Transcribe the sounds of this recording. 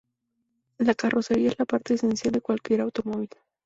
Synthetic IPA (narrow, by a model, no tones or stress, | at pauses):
lakarʔo̞se̞ɾiaezlapaɾt̪e̞ːse̞nsjald̪e̞kwalkje̞ɾawt̪o̞mo̞β̞il